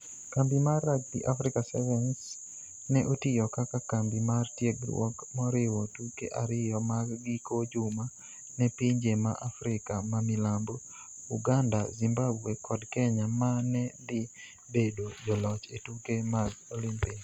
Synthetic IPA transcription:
kambimarːak̚d̪ḭʔafɾɪkasɛ̰vɛns | nɛʔotɪjɔkakakambimartjeɡɾw̰ɔ̰kmɔɾɪwɔtukḛʔaɾɪjɔmaɡɡikod͡ʒʊma | nɛpiɲd͡ʒemaʔafɾɪkamamɪlambo | uɡandazimbabekɔdkɛɲamanɛdɪ | bedod͡ʒɔlɔt͡ʃetukemaɡolimpɪk

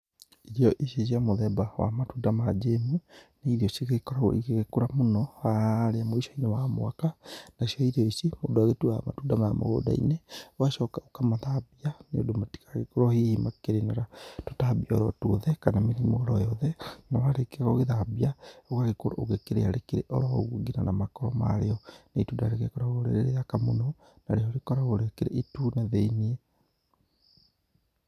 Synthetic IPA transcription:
iɾiɔʔeʃesiamoðɛbawa̰matuːdamad͡ʒemunaiɾiɔseɣeɣekɔɾaɣɔ̰ḭeɣekoɾamonɔaɾeamoiʃɔinɛwamoakanaʃiɔiɾeɔisemodoaɣetuama̰tudamaama̰ɣo̰da̰ḭnewaʃɔkaokamaðabianeo̰domati̥kaɣekoɾohihimakeɾenaɾatotabiɔɾɔtuoðɛkanameɾimoɣɔɾɔjɔðɛnawaɾekeaɣɔɣeðabiaoɣaɣekoɾoʔoɣekeɾḛaɾekeɾeʔɔɾɔo̰ɣuɡinanamakɔɾɔma̰ɾeɔneituːdaɾeɣekɔɾaɣoɾḛɾeɾejakamonɔ | na̰ɾeɔɾekɔɾaɣoɾeakeɾeitunaðeinie

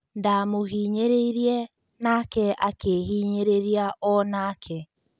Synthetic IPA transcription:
ndamoɦiːɲeɾeiɾiɛ | nakɛʔakeɦiːɲeɾeɾiaʔɔnaːkʰɛ

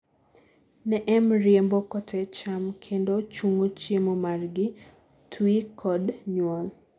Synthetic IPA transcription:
nɛʔɛmɾjembokɔtʰɛt͡ʃamkʰendot͡ʃuŋot͡ʃjemomarɡɪ | tʰwikʰɔdɲwɔl

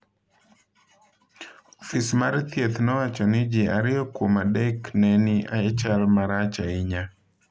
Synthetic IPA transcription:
ɔfismaɾt̪jet̪nɔwat͡ʃɔnɪd͡ʒɪaɾɪjɔkwomadɛknɛnɪʔa̰ɛt͡ʃalmaɾat͡ʃaɪɲa

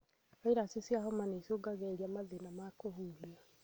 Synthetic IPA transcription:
ɔeɾasesjahɔmaneisoɡaɣɛeɾiamaðenamakohuːlia

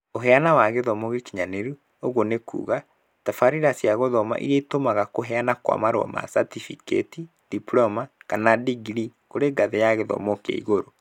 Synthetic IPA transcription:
oɦɛanawaɣeðɔmɔɣikiɲaneɾu | oɣonekṵːɣa | tafaɾiɾasjaɣɔðɔma̰ʔḭɾeitomaɣakoɦɛanakwa̰maɾwɔ̰ma̰satifikḛti | d̥iplɔmakanadiɡɾikoɾeɡaðejaɣeðɔ̰mɔkḛḭɣoɾo

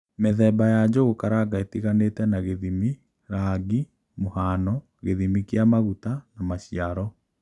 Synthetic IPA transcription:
meðɛbajad͡ʑoɣokaɾaɡaetiɣaneːtɛnaɣeðimi | ɾaːɡi | mohaːnɔ | ɣeðimikjamaɣutanamaɕiaɾɔ

